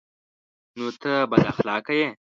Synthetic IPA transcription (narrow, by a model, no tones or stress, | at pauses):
not̪ʰəbɐd̪a̰xlɑːkɐje